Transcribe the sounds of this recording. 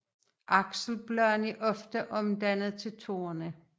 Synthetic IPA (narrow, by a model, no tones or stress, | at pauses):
ʔɑ̈ɡ̥sl̩b̥lœɐniʔɒ̽fd̥əʔɒ̽md̥ænð̩ˠt͡sʰe̝lt͡sʰo̝̰ːɐnə